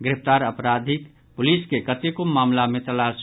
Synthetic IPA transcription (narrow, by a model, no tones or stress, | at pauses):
ɡɾɪft̪aːɾəpɾaːd̪ʱɪk | pʊliːskekət̪ikʊmːaːmlamẽt̪ɐlaːʃ